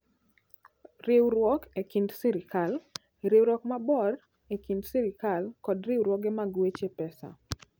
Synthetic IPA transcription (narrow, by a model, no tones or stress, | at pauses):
ɾɪwɾwɔkekindsiɾɪkal | ɾɪwɾɔkmabɔr | ekindsiɾɪkalkɔdɾɪwɾwɔɡɛmaɡwet͡ʃepɛsa̰